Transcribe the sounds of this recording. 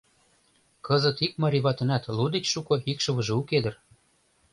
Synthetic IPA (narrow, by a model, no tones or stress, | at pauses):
kɤ̆zɤ̆t̪ik̚mɑɾʲiβɑt̪ɤ̆næt̪lud̪et͡ɕʃukɤ̆ikʃɤ̆βɤ̆ʒɤ̆uked̪ə̆r